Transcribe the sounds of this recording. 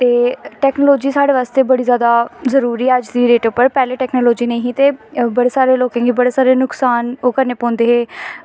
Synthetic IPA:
t̪eːʈɛːknoːloːd͡ʒiːsaːɽeːʋaːst̪eːbəɽiːzjaːd̪aːzəɾuːɾiəd͡ʒd̪iːɾeːʈʊpəɾpɛːleːʈɛːknoːloːd͡ʒiːneĩɦĩːt̪eːbəɽeːsaːɾeːloːkẽːɡiːbəɽeːsaːɾeːnʊksaːnoːkəɾneːpɔ̃ːnd̪eːɦeː

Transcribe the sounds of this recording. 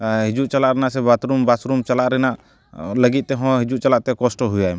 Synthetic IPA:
ɦid͡ʒuʔt͡ʃəlaʔɾɛnaʔsɛbat̪ɾumbasɾumt͡ʃəlaʔɾɛnaʔ | ləɡit̪̚ˀt̪ɛɦɔ̃ɦid͡ʒuʔ̚t͡ʃɐlaʔt̪ɛkɔsʈɔɦujajm

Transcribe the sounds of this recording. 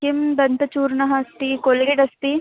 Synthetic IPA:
kɪmd̪ɐnt̪ɐt͡ʃuːɾnɐɦɐɐst̪ikolɡeɖɐst̪i

